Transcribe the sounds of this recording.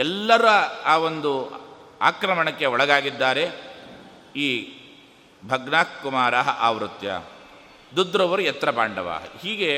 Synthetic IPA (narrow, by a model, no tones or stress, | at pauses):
ɛlːɐɾɐaːo̞nd̪ua̰ːkɾɐmɐɳɐkːe̞ɔɭɐɡaːɡid̪ːaːɾe̞ | iː | bʱɐɡnaːkumaːɾɐɦɐʔaːʋɾut̪jɐ̰ | d̪ud̪ʱɾɐʋɐɾujɛt̪ɾɐpaːɳɖɐʋa̰ːɦɐ̰hiːɡe